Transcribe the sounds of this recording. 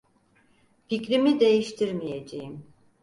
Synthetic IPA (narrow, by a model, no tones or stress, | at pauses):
ficɾimid̪e̞jiʃt̪ʰiɾmijed͡ʒejim